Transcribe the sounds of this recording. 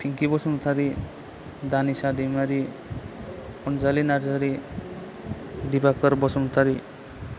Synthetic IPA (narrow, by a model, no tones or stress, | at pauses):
pʰiŋkibɔsɔmt̪ʰaɾi | d̪anisad̪imaɾi | ɔnd͡ʒalinaɾd͡ʒaɾi | d̪ibakəɾbɔsɔmt̪ʰaɾi